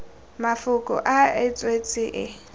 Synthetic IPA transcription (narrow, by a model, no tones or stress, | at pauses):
mafʊkʼɔ̰ʔaɪt͡sʼwet͡sʼɪʔɪ